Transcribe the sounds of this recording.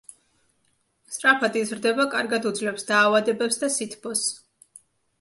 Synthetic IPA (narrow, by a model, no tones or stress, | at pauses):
st̪ʼɾapʰad̪izɾd̪ɛbakʼaɾɡad̪ud̪zlɛpsd̪aːvad̪ɛbɛpsd̪asit̪ʰbɔs